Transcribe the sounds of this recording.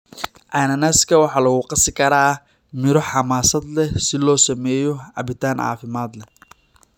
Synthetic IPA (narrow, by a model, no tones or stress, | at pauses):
ʔanɐnɐskʰɐwɑħɑːlɐɣʊqɑsɪkʰɐɾaː | mɪɾɔħɑmaːsɐd̪lɛsɪlɔːsɐmɛːjɔʕɑ̰βɪt̪ʰaːnʕɑ̰ːfɪmaːd̪lɛ